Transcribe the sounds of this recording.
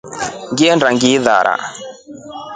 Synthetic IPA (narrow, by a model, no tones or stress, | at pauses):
ŋɡiɛndaŋɡiða̰ɾa̰